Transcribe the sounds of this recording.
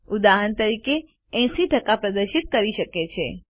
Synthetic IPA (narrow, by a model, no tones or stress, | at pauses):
ud̪aɦənt̪əɾike | ɛ̃siʈəkapɾəd̪əɾʃit̪̚kəɾiʃəket͡ʃʰḛ